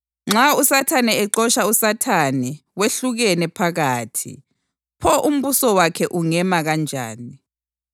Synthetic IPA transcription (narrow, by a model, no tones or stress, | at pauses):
ŋ͡ǁausatʰanɛɛǃɔʃausatʰanɛweɬuɣɛnɛpʰaɣaːtʰḭ | pʰɔʔum̩βusɔwakʰɛʔuŋɛmaɣand͡ʒʱa̰ːni